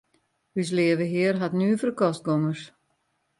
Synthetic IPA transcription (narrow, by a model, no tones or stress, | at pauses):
hys̬lɪəʋəɦɪərɦatnyːfərkɔst̚ɡoŋəs